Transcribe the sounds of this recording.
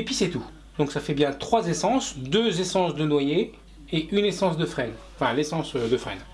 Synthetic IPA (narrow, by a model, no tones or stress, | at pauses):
epɥisɛt̪u | d̪ɔ̃ksafɛbjɛ̃t̪χwazesɑ̃sd̪øzesɑ̃sd̪ənwaje | eʔynesɑ̃s̬d̪əfχɛñfɛ̃lesɑ̃sød̪əfχɛ̰n